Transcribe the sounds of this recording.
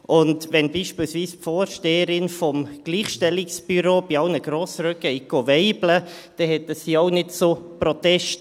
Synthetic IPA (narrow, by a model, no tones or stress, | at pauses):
ʔʊndʋɛnbiːʃpiːlsviːspfoːɾʃteːəɾɪnfɔmɡ̥liːχʃtɛlɪksb̥yɾoːb̥iɑlnəɡ̥ɾoːsɾœkəiɡ̥ovɛɪblə | d̥ɛhɛtəsiːoʊnɪtsopɾɔt̪ɛʃt